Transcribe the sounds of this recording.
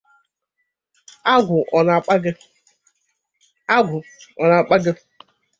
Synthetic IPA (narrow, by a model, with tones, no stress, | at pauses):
a˦ɡʷʊ˨ʔɔ˨na˨k͡pɡɪ˦ | a˦ɡʷʊ˨ɔ˨na˨k͡pa˦ɡɪ˦